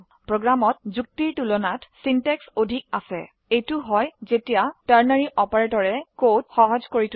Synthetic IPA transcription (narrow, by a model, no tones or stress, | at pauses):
pɹoɡɹamɔtzuk̚tiɹtulɔnatsintɛksodʱik̚asɛ̰ | ejtʊɦɔjzetijataɹnaɹiʔɔpaɹetɔɹɛkotxɔɦɔzkoɹit